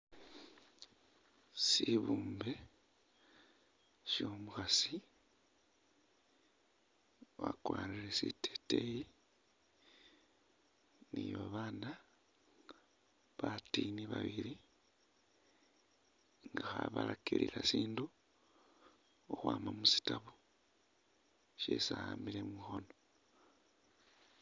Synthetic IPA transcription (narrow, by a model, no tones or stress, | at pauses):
siβuːmbe̞ | sjo̞ːmuxasi | βakwaːliɾesitʰe̥teji | niβaβaːna | βatiniβaβiɾi | ŋɡaxaβalakiɾḭlasiːndu | oxwaːmamusi̥taβu | ʃḛsaamilemixo̞no